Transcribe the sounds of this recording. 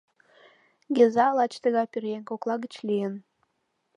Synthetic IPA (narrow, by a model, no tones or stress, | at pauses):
ɡezɑlɑt͡ɕt̪əɣɑpirenkoklˠɑɣət͡ɕlʲijən